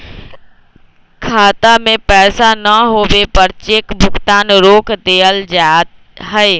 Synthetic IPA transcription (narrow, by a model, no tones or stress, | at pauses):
kʰaːt̪amẽpɛːsanəɦoːwepəɾt͡ʃeːkbʱʊɡt̪aːnɾoːkd̪eːəld͡ʒat̪ | ɦɛe